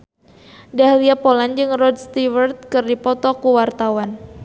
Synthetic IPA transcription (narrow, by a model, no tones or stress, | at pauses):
daɦliapoland͡ʒɨŋrɔdst̪iwərt̪̚kɨrdipɔt̪ɔkuwart̪awan